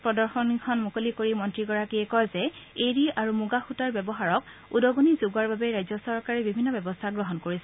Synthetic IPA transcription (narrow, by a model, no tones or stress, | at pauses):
pɹɔdɔɹxɔnikʰɔnmukolikoɹimɔntɹiɡɔɹakiɛkɔjzɛeɹiaɹumuɡaxutaɹbjɛbɔɦaɹɔk | udɔɡonizuɡaɹbabɛɹajzɔsɔɹkaɹɛbibʱinːɔbɛbɔstʰaɡɹɔɦɔnkoɹisɛ